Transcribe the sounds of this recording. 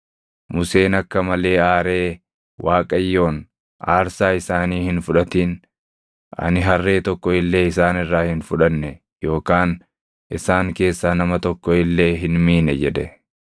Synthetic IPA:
mʊse̞ːnɐkːɐmɐle̞ːaːɾe̞ː | wʔaːkʼɐjːo̞ːn | aːɾsaːɪsaːniːhɪnfʊᶑɐt̪iːn | ʔɐ̰nɪɦɐrːe̞ːt̪ɔkːɔɪlːe̞ːɪsaːnɪrːaːhɪnfʊᶑɐnːɛ | jo̞ːkaːn | ʔɪsaːŋke̞ːsːaːnɐmɐt̪ɔkːɔɪlːe̞ːɦɪnmiːnɛd͡ʒɛd̪ɛ

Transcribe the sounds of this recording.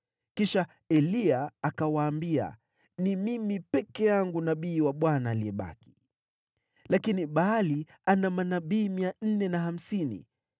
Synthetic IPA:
kiʃa | ɛliaːkawaːmbia̰ | nimimipɛkɛjaŋɡunaɓiːwaɓwanaːliɛɓa̰ki̥ | lakiniɓaːli | anamanaɓiːmian̩nɛnaham̩sinḭ

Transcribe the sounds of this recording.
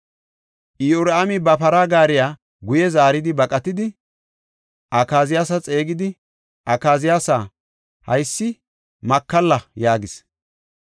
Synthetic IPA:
ʔɪjoɾamɪbɐpɐɾaːɡaːɾɪjaː | ɡʊjɛzaːɾɪd̪ɪbɐkʼɐt̪ɪd̪ɪ | ʔɐkaːzɪjaːsɐt͡sʼe̞ːɡɪd̪ɪ | ʔɐkaːzɪjaːsaː | hɐjsːɪ | mɐkːɐlːɐjaːɡɪs

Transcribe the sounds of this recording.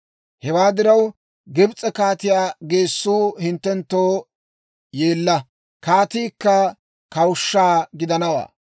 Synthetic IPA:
hɛwaːd̪ɪɾɐw | ɡɛbt͡sʼɛkaːt̪ɪjaːɡe̞ːsːuːhɪnt̪ːɛnt̪ːoː | je̞ːlːɐ | kaːt̪iːkːɐ | kɐwʊʃːaːɡɪd̪ɐnɐwa̰ː

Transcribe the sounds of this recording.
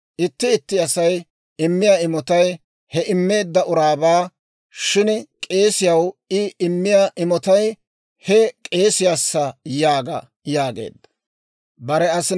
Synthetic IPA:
ʔɪt̪ːɪːt̪ːɪɐsɐj | ɪmːɪjaːɪmɔt̪ɐj | hɛʔɪmːe̞ːd̪ːɐʊɾaːbaː | ʃɪnkʼe̞ːsɪjɐwɪɪmːɪjaːʔɪmɔt̪ɐj | hɛkʼe̞ːsɪjaːsːɐjaːɡɐ̰ | jaːɡe̞̰ːd̪ːɐ̥ | bɐɾɛɐsɪ

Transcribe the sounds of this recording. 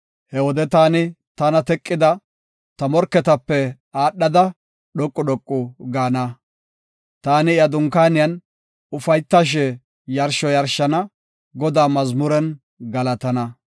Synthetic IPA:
hɛwɔd̪ɛt̪aːnɪ | t̪ɐnɐt̪ɛkʼːɪd̪ɐ | t̪ɐmɔɾkːɛt̪ɐpːɛ | aːɗːɐd̪ɐ | ɗɔkʼːʊɗɔkʼːʊɡaːnɐ | t̪aːnɪɪjɐd̪ʊŋkaːnɪjɐn | ʊfɐjt̪ːaʃ̬ɛ | jɐɾʃɔjɐɾʃɐnɐ | ɡɔd̪aːmɐzmʊɾɛn | ɡɐlɐt̪ɐnɐ

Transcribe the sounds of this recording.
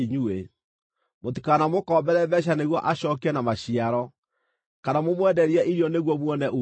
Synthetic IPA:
iɲue | motikanamokɔmbɛɾɛβɛɕ̬aneɣwɔʔaɕɔkɛnamaɕiaɾɔ | kanamomwɛdɛɾiɛʔiɾiɔneɣwɔmwɔnɛʔu

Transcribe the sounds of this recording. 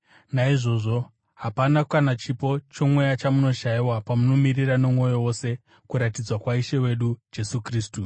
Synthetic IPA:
naiʐo̞ʐo̞ | ɦapanakanat͡ʃipo̞t͡ʃo̞mwe̞jat͡ʃamuno̞ʃaiwapamuno̞mirirano̞mwo̞jowo̞se̞ | kuɾatid͡zwakwaiʃe̞we̞ɗud͡ʒe̞sukriːstu

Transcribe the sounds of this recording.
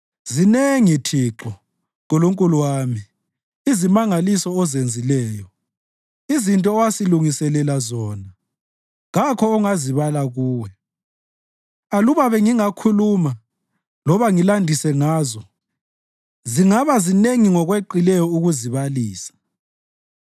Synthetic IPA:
zineŋitʰiǁɔ | ɣɔloŋkʼuluwaːmi | izimaŋalisɔːzend͡zʱilɛːjɔ | izintʼɔːwasiluŋisɛlɛlazɔːna | ɣakʰɔːŋaziβalaɣuːwɛ | aluβaβɛŋiŋakʰuluma | lɔβaŋilandʱisɛŋaːzɔ | ziŋaβazineŋiŋɔɣweǃilɛjɔuɣuziβaliːsḁ

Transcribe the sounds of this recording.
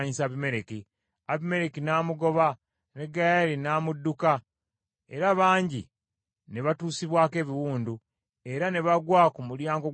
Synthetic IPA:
ɲisaβime̞ɾeki | aβime̞ɾekinaːmuɡo̞βa | ne̞ɡajalinaːmudːuka | e̞ɾaβaːɲɟi | ne̞βatuːsiβwaːke̞ːβiwuːndu | e̞ɾane̞βaɡwaːkumuljaːŋɡo

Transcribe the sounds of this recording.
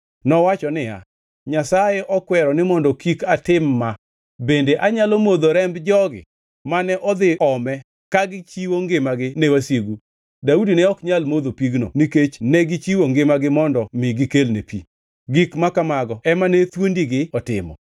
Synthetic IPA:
nɔwat͡ʃɔnɪja̰ | ɲasajɛʔɔkwɛɾɔnɪmɔndɔkikatɪmːa | bendeʔaɲalomod̪oɾɛmbd͡ʒɔɡɪ̰ | manɛʔɔd̪ɪɔmɛ | kaɡɪt͡ʃiwoŋɡɪmaɡɪnɛwasjeɡu | daudinɛɔkɲalmod̪opiɡno̰niket͡ʃnɛɡɪt͡ʃiwoŋɡɪmaɡɪmɔndɔmɪɡɪkelnepḭ | ɡɪkmakamaɡɔɛmanet̪wondiɡɪɔtɪ̰mɔ̰

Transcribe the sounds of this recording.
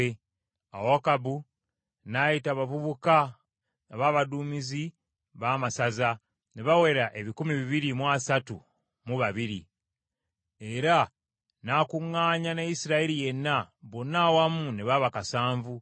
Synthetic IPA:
e | a̰wakabu | najitaβavuβuka | aβaːβaduːmizi | βaːmasaza | neβaweɾaʔe̞βikumiβiβiɾimwasatṵ | muβaβiɾḭ | e̞ɾa | nakuŋːaːɲanaisiɾaeɾije̞nːaβonawamuneβaβakasaːɱvu

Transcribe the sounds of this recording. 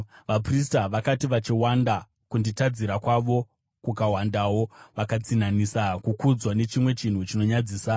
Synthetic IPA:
ʋapris̬taʋakatiʋat͡ʃiwanda | kunditad͡ziɾakwaʋo̞ | kukawandawo̞ʋakat͡sinanisakukud͡zwane̞t͡ʃimwe̞t͡ʃin̤ut͡ʃino̞ɲad͡ziːsa

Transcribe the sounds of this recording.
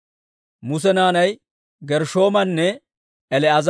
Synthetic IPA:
mʊs̬ɛnaːnɐj | ɡɛɾʃo̞ːmɐnːɛ | ɛlɛɐz

